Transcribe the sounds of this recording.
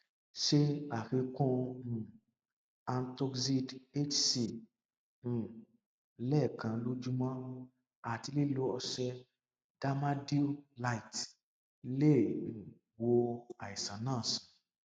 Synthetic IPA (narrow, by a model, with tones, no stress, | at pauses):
ʃe˦a˨ki˧kõ˧˨ | a˧n̩˦to˧ksi˦de˦t͡ʃsĩ˧˨˦ | lɛ˦˨kã˨˧lo˦d͡ʒu˦mɔ̃˦ | a˨ti˧le˦lo˨˦ɔ˧ʃɛ˧ | d̥a˦ma˦di˦la˧i˨t | lẽ˦˨ | wo˧a˨i˨sã˨˦nãː˦˨sĩ̥˨